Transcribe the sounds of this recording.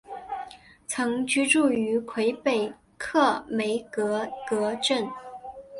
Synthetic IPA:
t͡sʰɤ˧˥ŋt͡ɕy˥ʈ͡ʂu˥˩y˧˥kʰwe˧˥ɪpe˨˩ɪ | kʰɤ˥˩me˧˥ɪkɤ˧˥kɤ˧˥ʈ͡ʂə˥˩n

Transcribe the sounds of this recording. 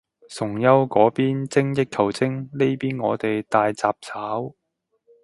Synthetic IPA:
sʊ˨˩ŋjɐ˥wkɔː˨˥piː˥nt͡sɪ˥ŋjɪ˥k̚kʰɐ˨˩wt͡sɪ˥ŋle˥jpiː˥nŋɔː˨˧t̪e˨jt̪aː˧jt͡saː˧p̚t͡sʰaː˨˥w

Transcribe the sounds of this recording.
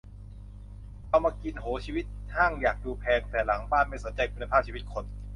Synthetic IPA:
ʔʰa˧wmaː˧ki˧nɦoː˩˦t͡ɕʰiː˧wi˦˥t̪̚haː˥˩ŋjaː˨˩k̚duː˧pʰɛː˧ŋt̪ɛː˨˩la˩˦ŋbaː˥˩nma˥˩jso˩˦nt͡ɕa˧jkʰu˧nːa˧pʰaː˥˩p̚t͡ɕʰiː˧˦i˦˥t̪̚kʰo˧n

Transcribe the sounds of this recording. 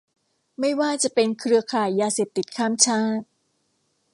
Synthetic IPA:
ma˥˩jwaː˥˩t͡ɕa˨˩ʔpe˧nkʰɾɯ˧ɐkʰaː˨˩jːaː˧seː˨˩p̚t̪i˨˩t̪̚kʰaː˥˩mt͡ɕʰaː˥˩t̪̚

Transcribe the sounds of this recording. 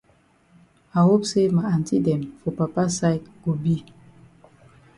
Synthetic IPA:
a˨ho˦pse˦ma˨a˨nti˦dɛ˨mfɔ˨pa˨pa˦sa˦jdɡo˨bi˦

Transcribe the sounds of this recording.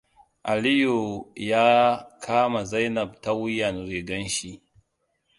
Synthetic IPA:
ʔa˨li˦ju˨jaː˦kʰaː˦ma˨za˦jnɐ˨b̚ta˦wʊ˦jːɐ˨nɾeː˨ɡɐ˦nʃi˦

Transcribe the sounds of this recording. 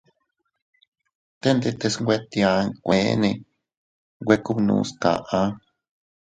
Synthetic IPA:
t̪e˦nd̪e˧t̪e˧sŋɡʷe˦t̪i˧a˧kʷẽ˨˦nẽ˧ | ŋɡʷe˦ku˦βnṵ̃ː˧ska̰˨ʔã˧˦

